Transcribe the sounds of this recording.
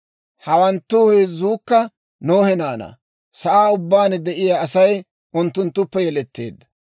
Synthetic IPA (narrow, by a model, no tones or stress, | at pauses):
hɐwɐnt̪ːʊheːzːuːkːɐ | noːhɛnaːnɐ̰ | sɐʔaːʊbːaːnd̪ɛʔɪjaːɐsɐj | ʔʊnt̪ːʊnt̪ːʊpːɛjɛlɛt̪ːḛːd̪ːɐ̥